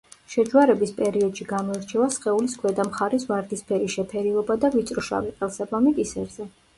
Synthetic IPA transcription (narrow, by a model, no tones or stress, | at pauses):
ʃɛd͡ʒwaɾɛbispʼɛɾiɔd̪ʃiɡamɔɛɾt͡ʃʰɛvasχɛuliskʰwɛd̪amχaɾisvaɾd̪ispʰɛɾiʃɛpʰɛɾiɔbad̪avit̪sʼɾuʃa̰viχʼɛlˠsabamikʼisɛɾzɛ